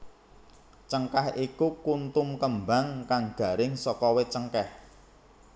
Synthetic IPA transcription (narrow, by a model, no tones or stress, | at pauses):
t͡ʃəŋkahikukunt̪umkəmbaŋkaŋɡ̥a̤ɾɪŋsɔkɔwet͡ʃəŋkɛh